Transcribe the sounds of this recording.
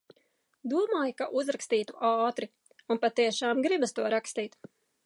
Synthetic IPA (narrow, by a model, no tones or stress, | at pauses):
d̪uɔmaːjkaʔuzɾakst̪iːt̪uʔaːt̪ɾi | unpat̪iɛʃaːmɡɾibast̪uɔɾakst̪iːt̪